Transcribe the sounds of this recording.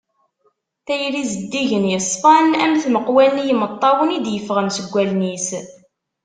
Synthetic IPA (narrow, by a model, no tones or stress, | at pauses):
θæjɾizəd̪ːiʝənjəsˤfɑnæmθməqwælnjəmət̪ˤːɑwənid̪jəfʁəmsəɡʷːælnis